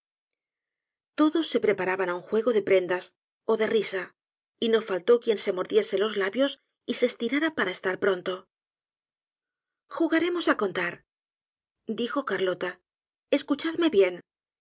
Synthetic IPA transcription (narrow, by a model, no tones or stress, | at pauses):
t̪o̞ðo̞sːe̞pɾe̞paɾaβanauŋxwe̞ɣo̞ðe̞pɾe̞nd̪as | o̞ðe̞risa | ino̞falt̪o̞kje̞nse̞mo̞ɾðje̞selo̞zlaβjo̞s | ise̞st̪iɾaɾapaɾaest̪aɾpɾo̞nt̪o̞ | xuɣaɾe̞mo̞sako̞nt̪aɾ | d̪ixo̞kaɾlo̞t̪a | e̞skut͡ʃaðme̞βje̞n